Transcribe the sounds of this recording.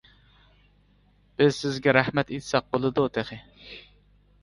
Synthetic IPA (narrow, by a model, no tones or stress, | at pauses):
b̥ɪzsɪzɡʲɛɾæhmɛt̪et̪ʰɪ̥sɛq̚bolˠɨd̪ut̪ʰeχɪ